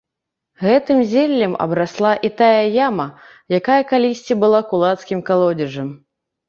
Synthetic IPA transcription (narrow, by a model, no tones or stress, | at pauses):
ɣɛt̪ɨmzʲɛlʲːɐmɐ̰bɾaslˠaʔit̪ajɐjamɐ | jakajɐkalʲisʲt͡sʲibɨlˠakulˠat̪skʲimkalˠɔdd͡zʲɛʐɐm